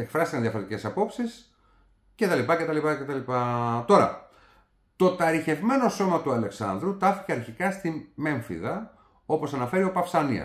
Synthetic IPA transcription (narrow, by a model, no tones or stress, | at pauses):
ekfɾɐst̪ikɐnðjɐfo̞ɾet̪ice̞sɐpo̞psis | ce̞t̪ɐlipɐce̞t̪ɐlipɐce̞t̪ɐlipɐt̪o̞ɾɐ̰ | t̪o̞t̪ɐɾiçe̞vme̞no̞so̞mɐt̪uɐle̞ksɐ̰nðɾut̪ɐfi̥ceɐɾçikɐst̪ime̞ɱfḭðɐ | o̞po̞sɐnɐfe̞ɾio̞pɐfsɐnḭɐ̰